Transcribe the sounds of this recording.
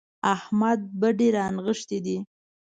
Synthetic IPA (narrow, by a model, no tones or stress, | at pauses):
ahmad̪̚bəɖeɾɑnɣəʂt̪ed̪i